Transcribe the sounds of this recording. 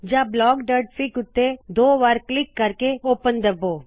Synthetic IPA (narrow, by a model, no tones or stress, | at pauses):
d͡ʒablɔːɡɖəɾʈfɪkʊt̪ːed̪oːʋaːɾklɪkːɐɾkeoːpənd̪ɐboː